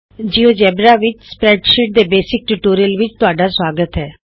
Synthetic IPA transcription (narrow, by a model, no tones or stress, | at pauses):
d͡ʒiːod͡ʒɛːbɾaʋɪt͡ʃspɾɛːɖʃiːʈ̚d̪ebeːsɪk̚ʈʊʈoːɾijəlʋɪt͡ʃt̪ʊaːɖasʋaːɡət̪ɦɛː